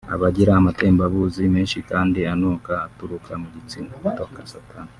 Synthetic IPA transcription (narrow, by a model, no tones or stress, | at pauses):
a̰βaɟiɾaamateːmbaβuzimeːnʃikaːndianuːkaːtuɾukʰamuɟit͡sinotokasatan